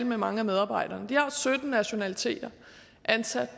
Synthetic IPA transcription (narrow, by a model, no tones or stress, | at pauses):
l̰memɑ̈ŋəæmeð̞ˠɑ̈ːb̥ɑ̈ɪ̰d̥ɐːnd̥ihɑ̈sød̥n̩ːæɕo̝nælit͡sʰe̝̰ːd̥ɐ | ʔænsæd̥